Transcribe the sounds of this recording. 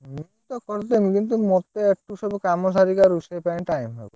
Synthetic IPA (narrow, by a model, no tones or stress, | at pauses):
mit̪okoɾt̪emkint̪̬umɔt̪eek̚ʈuʃɔbkamosaɾikaɾuʃepajʈajmɦɔbo